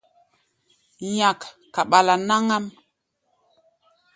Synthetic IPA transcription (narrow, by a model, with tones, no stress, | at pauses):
ɲa˨kː | a˨ɓa˨la˨na˦ŋa˦m